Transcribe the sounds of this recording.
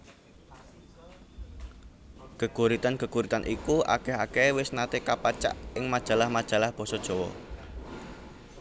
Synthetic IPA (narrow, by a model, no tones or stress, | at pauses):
kəkuɾit̪anɡ̥əkuɾit̪anʔikuʔa̰kɛɦakɛwɪsnat̪ekapat͡ʃa̰ʔɪŋmad̥ʒ̥ä̤lahmad̥ʒ̥ä̤lahb̥ɔ̤sɔd̥ʒ̥ɔ̤wɔ̰